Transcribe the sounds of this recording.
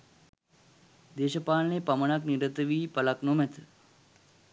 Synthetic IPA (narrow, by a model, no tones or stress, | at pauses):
d̪eːʃəpaːlnepəməɳakniɾət̪ʋiːpəlaknomet̪